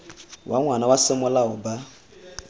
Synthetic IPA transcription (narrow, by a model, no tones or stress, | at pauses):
wʔaŋʷanawasɪmʊlaʊba